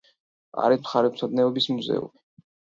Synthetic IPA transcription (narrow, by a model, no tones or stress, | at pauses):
a̰ɾimχaɾɛpsʰad̪nɛɔbismuzɛ̰ṵmi